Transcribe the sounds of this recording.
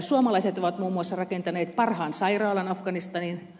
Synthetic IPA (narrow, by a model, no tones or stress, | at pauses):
suɑmɑlɑiset̪oʋɑt̪muːmːuɑsːɑrɑkent̪ɑneːt̪̚pɑrhɑːnsɑirɑːlɑnɑfɡɑnist̪ɑnin